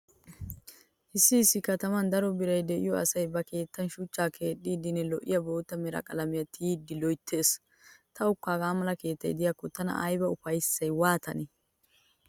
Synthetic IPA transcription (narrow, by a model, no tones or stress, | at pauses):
ʔɪsːɪːsːɪkɐt̪ɐmɐnd̪ɐɾɔbɪɾɐjd̪ɛʔɪ̰jɔɐ̰sɐjbɐke̞ːt̪ːɐnʃʊt͡ʃːaːkʰe̞ːɗiːd̪ɪnːɛlɔʔɪ̰jɐbo̞ːt̪ːɐmɛɾɐ̰kʼɐlɐmɪjɐt̪ːɪjiːd̪ːɪlɔjt̪ʰːe̞ːs | t̪ʰɐʊkːaːɡaːmɐlɐke̞ːt̪ːɐ̰jd̪ɪjakːɔt̪ɐnɐ̰ʔɐjbɐʊfɐjsːɐjwaːt̪ʰɐnɛ